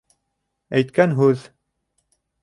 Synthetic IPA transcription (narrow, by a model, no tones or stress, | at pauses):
æjt̪kænɦʉð